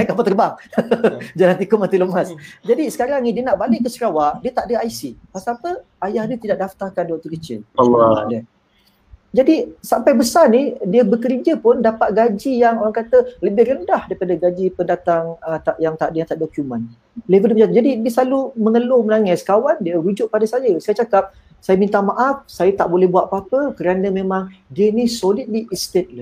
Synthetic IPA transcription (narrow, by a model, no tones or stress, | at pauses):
ɛkampat̪ərbaŋ | d͡ʒalant̪ikomant̪iləmasd͡ʒadisə̥kaɾaŋnidiənaʔbalɪkəsəɾawaʔdiət̪aʔdəaisipasaːpə | ajahdiət̪idaʔ̚daft̪arkanduwaʔt̪ukət͡ʃɪladə | d͡ʒadisampajbəsarnidiəbəkəɾid͡ʒəpʊndapat̪̚ɡad͡ʒijaŋoɾaŋkat̪ələbɪhrəndahdaɾipadaɡad͡ʒipəndat̪aŋət̪aʔjaŋt̪aʔdjaŋt̪aʔdokjumən | lebədiəpd͡ʒat̪d͡ʒadidiəslaluməŋəlʊmənaŋɛskawandiəɾud͡ʒʊʔ̚padasajəsajət͡ʃakap̚ | sajamĩnt̪amaʔafsajat̪aʔbolɛhbuaʔpapəkəɾanəmẽmãŋdiənisolid̚liʔist̪et̪̚la